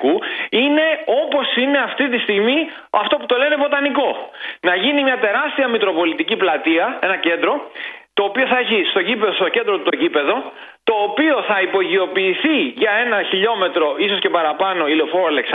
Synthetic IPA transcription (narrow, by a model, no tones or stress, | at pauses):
kuine̞o̞po̞sine̞ɐft̪it̪ist̪iɣmi | ɐ̰ft̪oput̪o̞le̞ne̞vo̞t̪ɐniko̞nɐʝinimɲɐt̪e̞ɾɐst̪iɐmikɾo̞po̞lit̪iciplɐt̪iɐe̞nɐce̞nd̪ɾo̞t̪o̞ːpio̞θɐeçist̪o̞ɟipeðost̪o̞ce̞nd̪ɾot̪ut̪o̞ɟipe̞ðo̞ | t̪o̞ːpio̞θɐipo̞ʝio̞piːθiʝɐe̞nɐçiʎo̞me̞t̪ɾo̞ʔiso̞sce̞pɐɾɐpɐno̞ilofoɾoɐleks